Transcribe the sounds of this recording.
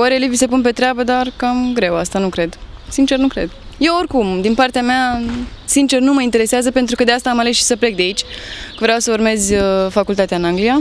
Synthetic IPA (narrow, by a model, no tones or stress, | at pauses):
waɾelivisepunpe̞t̪ɾeabəd̪arkamɡɾe̞wast̪anukɾe̞d̪sint͡ʃe̞rnukɾe̞̰d̪je̞workumd̪inpart̪eameasint͡ʃe̞rnuməint̪eɾe̞seazəpent̪ɾukəd̪east̪aːmale̞sʃi̥səple̞k̚d̪eait͡ʃʲvɾeawsəurme̞zʲfakult̪at̪eaɨnaŋɡlija